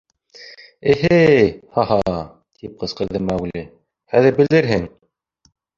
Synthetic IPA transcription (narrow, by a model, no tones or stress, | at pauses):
ɘ̆ɦɘhɑɦɑ | t̪ʰip̚qɤ̆sqɤ̆ɾðɤmæwli | hæðɘɾbɘ̆ld̪ɘɾɦɘŋ